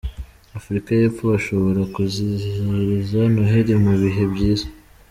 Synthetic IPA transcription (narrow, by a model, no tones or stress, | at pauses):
afɾikaje̞ːfo̞aʃo̞βo̞ɾakuziiɾizanoɦeɾimuβiɦe̞bɟiːza